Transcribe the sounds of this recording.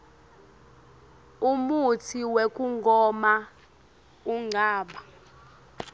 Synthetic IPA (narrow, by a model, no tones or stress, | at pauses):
umutʰiwek̬ʼuŋɡʱɔma | uŋ͡ǀʱaːɓa